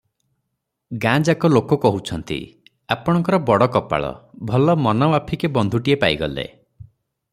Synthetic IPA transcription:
ɡãd͡ʒakɔlokɔkɔɦut͡ʃʰɔnt̪ḭ | apɔɽ̃ɔŋkɔɾɔbɔɽɔkɔpa̰ɭɔ̰bʱɔlɔmɔnɔbapʰikebɔnd̪ʱuʈiepaiɡɔ̰lḛ

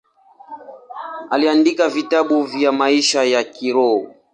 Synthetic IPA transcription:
aliandikavitaɓuvjamaiʃajakiɾɔ

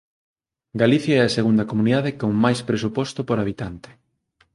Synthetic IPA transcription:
ɡaliθjaɛɐseɣund̪ɐkomuniðaðekoŋmajspɾesupɔst̪opoɾaβ̞it̪ant̪e̥

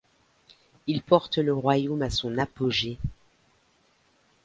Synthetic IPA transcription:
ilpɔʁt̪ələʁwajomasɔ̃napoʒe

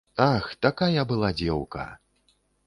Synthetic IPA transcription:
t̪axt̪akajɐbɨlˠad͡zʲɛwkɐ̰

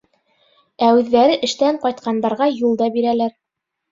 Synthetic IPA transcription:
æʉðːæɾɘʔɘ̆ʃt̪æɴqɒjt̪̚qʰɑnd̪ɑɾʁɑjulˠd̪ɑbiɾælæɾ

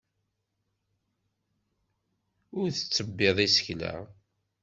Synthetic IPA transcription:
ʊɾθə̥t͡sːəbːeðˤisə̥çlæ̰

